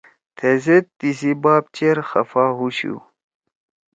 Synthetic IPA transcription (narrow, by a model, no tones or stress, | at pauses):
t̪ʰezet̪ːisibaːp̚t͡ɕeɾxɐfaːɦuɕṵ